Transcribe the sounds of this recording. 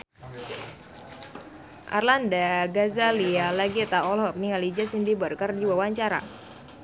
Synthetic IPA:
ʔa̰rlandaɡazalialaɡit̪aʔɔlɦɔk̚niŋalid͡ʒasindibərkardiwawaɲt͡ʃaɾa̰

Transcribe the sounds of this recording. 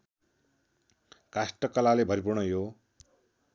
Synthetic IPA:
kasʈʌkʌlalebʱʌɾip̬urnʌjo

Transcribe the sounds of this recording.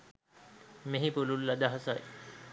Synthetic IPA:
meɦipululːad̪aɦasaj

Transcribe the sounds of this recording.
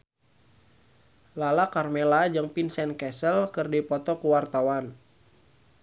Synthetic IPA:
lalakarmɛlad͡ʒɨŋpinsɛnkɛsəlkɨrdipɔt̪ɔkuwart̪awan

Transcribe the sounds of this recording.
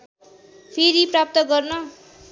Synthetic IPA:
pʰeɾiprap̚t̪ʌɡʌrnʌ

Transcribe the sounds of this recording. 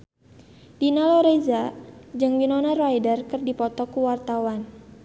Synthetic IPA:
dinalɔɾezad͡ʒɨŋwinɔnarajdərkɨrdipɔt̪ɔkuwart̪awan

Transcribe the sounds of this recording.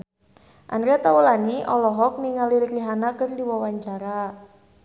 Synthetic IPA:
ʔa̰nɾɛt̪awulaniʔɔlɔɦɔk̚niŋaliɾikliɦanakərdiwawaɲt͡ʃaɾa

